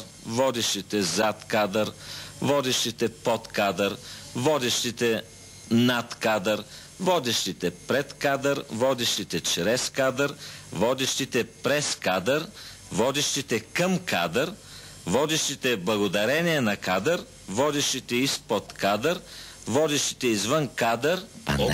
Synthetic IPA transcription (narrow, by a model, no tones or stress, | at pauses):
vɔd̪iʃt̪it̪ɛzat̪kad̪əɾvɔd̪ɛʃt̪it̪ɛpɔt̪kad̪əɾvɔd̪ɛʃt̪it̪ɛ | nat̪kad̪əɾ | vɔd̪ɛʃt̪it̪ɛpɾɛt̪kad̪əɾvɔd̪ɛʃt̪it̪ɛt͡ʃɾɛskad̪əɾvɔd̪ɛʃt̪it̪ɛpɾɛskad̪əɾ | vɔd̪ɛʃt̪it̪ɛkəmka̰d̪əɾ | vɔd̪ɛʃt̪it̪ɛblˠɐɡod̪ɐɾɛniɛnɐkad̪əɾ | vɔd̪ɛʃt̪it̪ɛispot̪kad̪əɾ | vɔd̪ɛʃt̪i̥t̪ɛizvənkad̪əɾ